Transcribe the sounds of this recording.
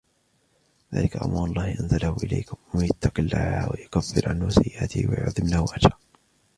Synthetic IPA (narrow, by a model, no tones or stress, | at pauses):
ða̰ːlɪkaʔa̰maːlˤːɑːhʔanzalahʊʔɪla̰jkʊmwajat̪ːɑqɪlːa̰ʕaha̰ːwajʊkafːɪɾʕanhwasajːɪʔa̰t̪ɪ̰hwa̰jʊ̰ʕðˤɨmlahwʔatɑː